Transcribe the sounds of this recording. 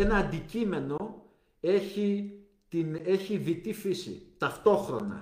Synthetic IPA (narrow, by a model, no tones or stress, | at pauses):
enɐːnd̪icime̞no̞ | e̞çi | t̪ine̞çiðit̪ifisḭt̪ɐft̪o̞xɾo̞nɐ̰